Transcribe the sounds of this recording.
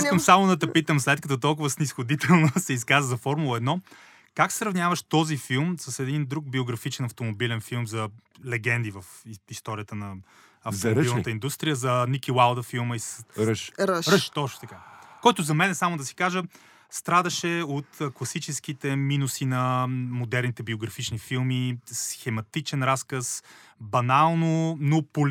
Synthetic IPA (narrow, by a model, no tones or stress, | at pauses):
iskəmsamʊd̪ɐt̪ɛpit̪əmslɛt̪̚kət̪ot̪ɔlˠk̬ʊvəsnisxod̪it̪ɛlˠnosɛiskazəzɐfɔɾmulˠəɛd̪nɔ | kaksɾɐvnʲavəʃt̪ɔzifilˠmsɐsɛd̪ind̪ɾuɡ̚bioɡɾɐfit͡ʃɛnɐft̪omobilɛnfilˠmzɐlɛɡɛnd̪ivɐfist̪ɔɾijət̪ənɐ | ɐft̪omoilˠnt̪əind̪ust̪ɾijəzɐnikʲiwalˠd̪ɐfilˠməisɾʃɾɾəʃt̪ɔʃo̥t̪ɐkakɔjt̪ʊzɐmɛnɛsamʊd̪ɐsi̥kaʒə | st̪ɾad̪ɐʃɛot̪ːklˠɐsit͡ʃɛskit̪ɛminusinɐmod̪ɛɾnit̪ɛbioɡɾɐfit͡ʃnifilˠmisxɛmɐt̪it͡ʃɛnɾaskəsbɐnalˠnonopol